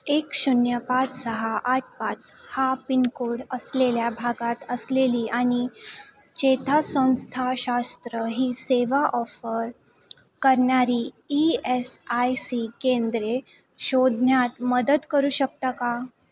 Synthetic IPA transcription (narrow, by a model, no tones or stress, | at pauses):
ekɕunjəpat͡ssəɦaʔaʈ̚ʰpat͡shapinkoɽəsleljabʱaɡat̪əsleliːʔaɽ̃i | t͡ɕet̪ʰasə̃w̃st̪ʰaɕast̪ɾəɦiːseʋaʔɔfəɾ | kəɾɳaɾiː | iesajsikẽnd̪ɾe | ɕod̪ʱnjat̪məd̪ət̪kəɾuːɕək̚t̪aka